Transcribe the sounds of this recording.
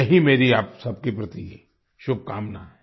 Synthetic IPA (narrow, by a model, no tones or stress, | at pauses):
ɐɦimeːɾiaːpsɐb̚kepɾɐt̪ie | ʃʊb̚ʱkaːmnaɦɛ